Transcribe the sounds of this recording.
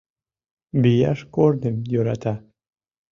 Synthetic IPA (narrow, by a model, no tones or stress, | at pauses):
bijɑʃkornəmjøɾɑt̪ɑ